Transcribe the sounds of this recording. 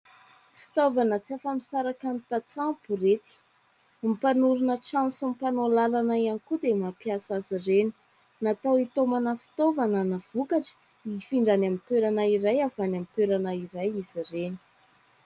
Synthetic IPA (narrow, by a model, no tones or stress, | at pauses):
fi̥t̪ovanət͡siafamisaɾakant̪at͡sapuɾet̪i̥ | mipanuɾunəʈ͡ʂãnsumpanolalanaianikud̪emapjasazireni̥ | nat̪awit̪omanəfi̥t̪ovanənav̥ukaʈ͡ʂə̥ | ifiɳɖ͡ʐanamit̪weɾanaiɾajavanamit̪weɾanaiɾajiz̥ireni̥